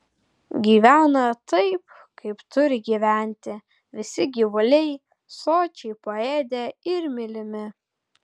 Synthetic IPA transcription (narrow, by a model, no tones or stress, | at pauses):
ɡʲiːʋʲæːnɐt̪ɐɪp̚ | kɐɪpt̪ʊɾʲɪɡʲiːʋʲæˑnʲt̪ʲɪ | ʋʲɪsʲɪɡʲiʋʊlʲɛɪ | soːt͡ʃʲɛɪpoeːd̪ʲeɪɾmʲɪlʲɪmʲɪ